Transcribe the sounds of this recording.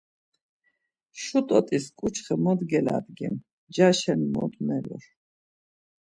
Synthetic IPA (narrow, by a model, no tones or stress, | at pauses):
ʃut̪ʼɔt̪ʼiskʼut͡ʃʰχɛmɔd̪ɡɛla̰d̪ɡɛm | d͡ʒaʃɛnmɔ̰d̪mɛlɔ̰ɾ